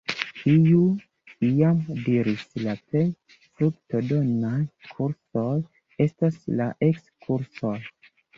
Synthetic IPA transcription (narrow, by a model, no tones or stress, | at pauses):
iju | ijamdiɾislape̞j | fluptodo̞najkʰuɾso̞j | e̞stasla̰ʔe̞kskʰuɾso̞j